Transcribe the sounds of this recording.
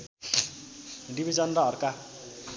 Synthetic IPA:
ɖibʱid͡zʌnrʌʌrka

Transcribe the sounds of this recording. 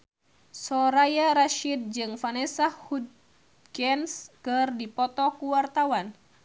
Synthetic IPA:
sɔɾajaɾaʃid̪̚d͡ʒɨŋfanɛsahud̪̚ | kɛnskɨrdipɔt̪ɔkuwart̪awan

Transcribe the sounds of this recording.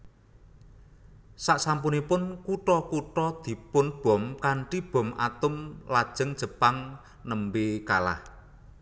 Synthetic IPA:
saʔsampunipʊnkuʈɔkuʈɔd̪̥i̤pʊnb̥ɔ̤mkaɳʈib̥ɔ̤mʔa̰t̪ʊmlad̥ʒ̥ə̤ŋd̥ʒ̥ə̤paŋ | nəmbekala̰h

